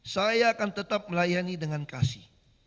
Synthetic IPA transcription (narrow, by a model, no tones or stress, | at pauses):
sajaːkant̪ət̪ap̚məlajanidəŋankasih